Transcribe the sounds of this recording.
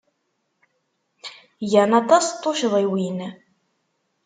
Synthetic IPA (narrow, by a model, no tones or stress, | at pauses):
jənɑt̪ˤɑst̪ˤːoʃðˤiwin